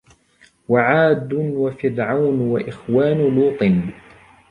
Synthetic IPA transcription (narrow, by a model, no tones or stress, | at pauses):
waʕaːd̪ʊnwafɪɾʕawnwaʔɪxwaːnʊluːt̪ˤɨn